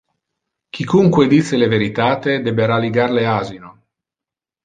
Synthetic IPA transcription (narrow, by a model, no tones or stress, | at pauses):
k̟ikuŋkwed̪it̪sːeleveɾit̪aːt̪ed̪ɛbeɾaliɡarleaːzino